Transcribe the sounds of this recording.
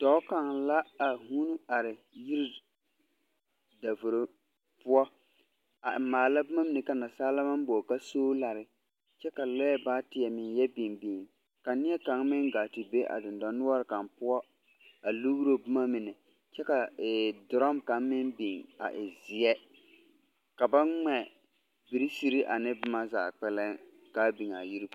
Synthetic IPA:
d̥ɔ˨˦ka˨ŋla˦a˨huː˦nu˦a˨ɾɪ˨ | ji˦ɾi˦ | da˨vʊ˨ɾo˨ | pʊ˦ɔ˦ | a˨ɪ˨maː˨la˦bʊ˦ma˦mɪ˨nɪ˨ka˨na˨saː˦la˦ma˦m˦bo˨ka˦soː˦la˨ɾɪ˨ | t͡ʃɛ˦ka˨lɔ˦jɛ˦baː˦tɪ˨ɛ˨mɪ˨njɛ˦bi˨ŋbi˨ŋ | ka˨nɪ˦ɛ˦ka˨˦ŋmɪ˦ŋɡa˨ti˨be˦ʔa̰˨dɪ˨ndɔ˨nːʊ˦ɔ˦ɾɪ˨ka˨mpʊ˦ɔ˦ | a˨lu˦ɣu˦ɾo˦bʊ˦ma˦mɪ˨nɛ˨ | t͡ʃɛ˦ka˨dʊ˨ɾɔ˦mka˨ŋmɪ˦nbi˨ŋa̰˨ʔɪ˨zɪ˨ɛ˦ | ka˨ba˦ŋ͡mɛ˨ | bi˨ɾi˦si˦ɾi˦ʔa˨nɪ˦bʊ˦ma˦za̰ː˨k͡pɛ˦lɛ˦ŋ | ka˦bi˨ŋ˨a̰˨ji˦ɾi˦˨

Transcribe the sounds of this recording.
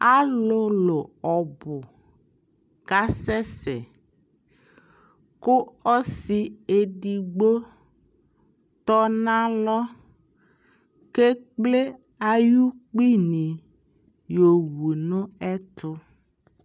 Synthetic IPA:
a˦lʊ˦lʊ˨ɔ˨bʊ˨ | ɡa˦sɛ˦sɛ̰˨ | kʊ˦ɔ˦si˨e˨ɖi˨ɡ͡bo˦ | t̪ɔ˦nã˦lɔ˦ | ke˦k͡ple˦ | a˨ju˦k͡pi˦nĩ˨ | jo˨wu˨nʊ̃˦ɛ˦t̪ʊ˦

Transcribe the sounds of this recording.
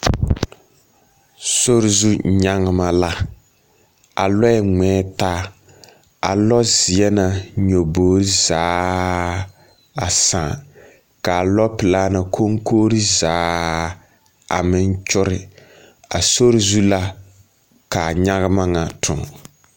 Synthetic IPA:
so˦ɾɪ˦zu˦˨ɲa˦ŋɪ˦ma˦la˦ | a̰˨lɔ˦ɛ˨ŋɛː˦taː˦ | a̰˨lɔ˦zɪ˨ɛ˦na˨ɲo˨boː˨˦ɾi˦zaː˨˦ | a˨sãː˨ | ka˨lɔ˦pɪ˨laː˦na˨kʰo˦ŋkʰoː˦ɾi˦zaː˦ | a̰˨mɪ˦n˦t͡ʃʊ˦ɾɪ˦ | a˨so˦ɾɪ˦zu˦la˦ | ka˨ɲa˦ɣɨ˦ma˦ŋa˨tʰʊ̰˨ŋ˨

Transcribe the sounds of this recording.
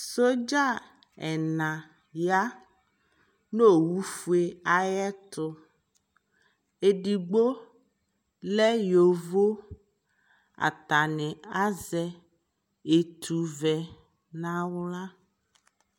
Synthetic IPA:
so˦d͡ʒa˦ | ɛ˨nã˨ | ja˦ | no˦wu˦fu˦e˨a˨jɛ˦t̪ʊ˦ | e˨ɖi˨ɡ͡bo˦ | lɛ˦jo˨vo˦ | a̰˨t̪a˨nɛ̃˨a˦zɛ˦ | e˨t̪ʰu˨vɛ˨ | nã˦wla˦

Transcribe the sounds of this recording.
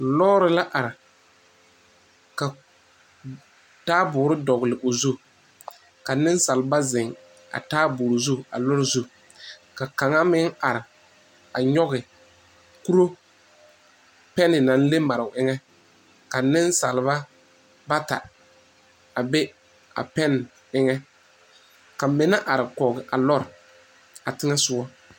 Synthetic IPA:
lɔː˦ɾɪ˦la˦ʔa˨ɾɪ˨ | ka˨ | taː˦bʊː˨˦ɾɪ˦dɔ˨ɣɪ˨lɪ˨ʔʊ˨zu˦ | ka˨nɪ˦nsa˨lba˦zɪ˨ŋ | a̰˨taː˦bʊː˨ɾɪ˨zu˦a̰˨lʊ˦ɾɪ˦zu˦ | ka˨ka˨ŋa˦mɪ˦ŋa˨ɾɪ˨ | a˨ɲɔ˦ɣɪ˨ | ku˦ɾo˦ | pɛ˦nɪ˨nã˨n˦le˦ma˨ɾɪ˨ʊ˨ʔɪ˦ŋɛ˦ | ka˨nɪ˦nsa˨lɪ˨˦ba˦ | ba˦ta̰˨ | a˨be˦ | a̰˨pɛ˦n˨ | ɪ˦ŋɛ˦ | ka˨mɪ˨˦na˦ʔa˨ɾɪ˨kɔː˨ɡɪ˨ʔa˨lɔ˦ɾɪ˨ | a˨tɪ˦ŋɛ˦sʊ˦ɔ˦

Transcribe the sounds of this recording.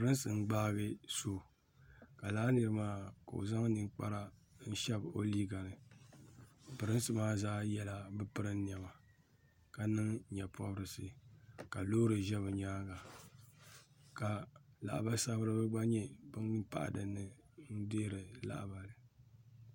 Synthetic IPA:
pɨ˨ɾɨ˦n˦sɨ˨n̩˦ɡ͡baː˦ɣɨ˦so˨ | ka˨laː˦lɨ˨ɾɨ˦maː˦ka̰˨o̰˨za˦ŋ˦nɨ˦˨ŋk͡pa̰˦ɾa˦ | n̩˦ʃɛ˦bo̰˦li˦ɡa˨ɾɨ˨ | pɨ˨ɾɨ˦n˦sɨ˦maː˦zaː˦jɛ˦la˨bɨ˦pɨ˦ɾɨ˦n˦n˨ɛ˨ba˨ | ka˨nɨ˦ŋɲɛ˨pɔ˦bɾɨ˨sɨ˨ka˨loː˦ɾɨ˨ʒɛ˦βɨ˨ɲaː˦ɡa˨ | ka˨la̰˨ʔba˦sa˦bɨ˦ɾɨ˦bɨ˦ɡ͡ba˦ɲɛ˦bɨ˦n˦pa̰˦ʔa̰˨dɨ˨nːɨ˦ | n̩˦deː˦ɾɨ˨la̰˦ʔba˨lɨ˨

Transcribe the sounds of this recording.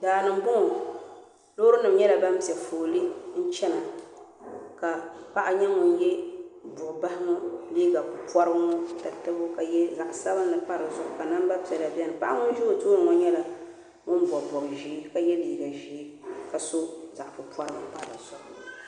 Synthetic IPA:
daː˨nɨ˨m˦bʊ˦ŋ˨ | lo˦ɾɨ˦nɨ˨mɲɛ˦la˨ba˦m˦pi˨ɛ˨foː˨lɨ˦n̩˦t͡ʃɛ˦na˨ | ka˨pa˦ʔa˨ɲɛ˦ŋʊ˨n˦jɛ˦bʊ˨ʔʊ˨ba˦hɪ˦mʊ˦liː˦ɡa˨pʊ˨pwɔ˦ɾɨ˦bŋɔ˦ta˨tɨ˦bʊ˦ka˨jɛ˦za˨ʔsa˦bɨ˦nː˦ɨ˨pa˦ɾɨ˨zʊ˦ʔʊ˨ka˨na˦m˦ba˦pi˨ɛ˨la˨bi˦ɛ˦nɨ˨pa˦ʔa˦ŋʊ˦n˦ʒu˦˨toː˦n˨ŋɔ˦ɲɛ˦la˨ | ŋʊ˦n˦bɔ˨bɔ˨ɡʒi˨˦ka˨jɛ˦liː˦ɡa˨ʒiː˨˦ka˨so˦za˨ʔa˨pʊ˨pɔ˦ɾɨ˦bɨ˦m˦pa˦ɾɨ̰˨sɔ˦˨

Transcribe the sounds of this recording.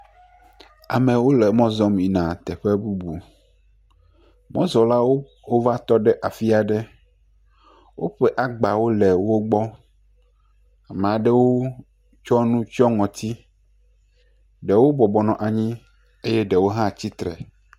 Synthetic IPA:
a̰˨mẽ˨wo˦lɛ˨mɔ̃˦zɔ˦mĩ˨nã˨t̪ɛ˨ɸe˦bu˦bu˨ | mɔ̰̃˦zɔ˨la˦wo˦ | wo˦va˦t̪ɔ˦ɖɛ˦ʔa˨fi˦a˨ɖɛ˦ | wo̰˦ɸɛ˦ʔa˦ɡ͡ba˨wo˦lɛ˨wo˦ɡ͡bɔ˦ | a˨mẽ˨a˨ɖɛ˦wo˦ | t͡ʃɔ˦nũ˦t͡ʃɔ˦ŋɔ̃˨t̪ʰi˦ | ɖɛ˨wo˦bɔ˨bɔ˨nɔ̃˨ʔa˨ɲĩ˦ | e˦jɛ˦ɖɛ˨wo˦ɦã˦t͡ɕi˦t̪ɾɛ̰˨

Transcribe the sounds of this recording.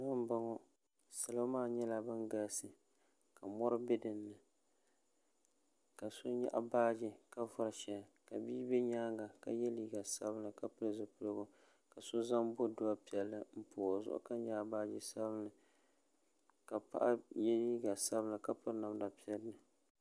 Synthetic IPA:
na˦m˦ba˦ŋɔ˦ | sɨ˨la˦maː˦˨ɲɛ˦la˨bɨ˦nɡa˦lsɨ˨ | ka˨mɔ˦ɾɨ˦bɪ˦dɨ˨nːɨ˨ | ka˨so˦ɲa̰˦˨ʔa̰˨baː˦d͡ʒɪ˦ka˦vʊ˦ɾʃɛ˨ka˨biː˦bɛ˦ɲaː˦ŋɡa˨ka˨jɛ˦liː˦ɡa˨sa˦bɨ˦nɨ˨ka˦pɨ˦lzɨ˨pɨ˨lɡo˦ | ka˨so˦za˦mbo˦dʊ˦a˦pi˨ɛ˨lːɨ˦m̩˦pʰʊː˨zʊ̰˦ʔʊ̰˦ka˦ɲa˦˨baː˦d͡ʒi˨sa˦bɨ˦nɨ˨ | ka˨pa̰˦ʔa˦jɛ˦liː˦ɡa˨sa˦bɨ˦nɨ˨ka˦pɨ˦na˨mda˨pi˦ɛ˦lnɨ˨

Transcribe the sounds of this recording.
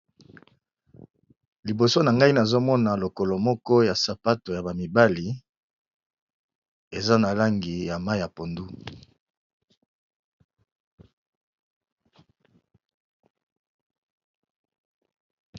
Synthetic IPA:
li˨bo˨so˦na˨ŋɡa˦i˦na˨zo˦mɔ˦na˨lo˨ko˨lo˨mɔ˦kɔ˦ja˨sa˨pa˦to˨ja˨ba˨mi˨ba˦li˨ | e˨za˦na˨la˦ŋɡi˨ja˨ma˦ja˨po˨ndu˦

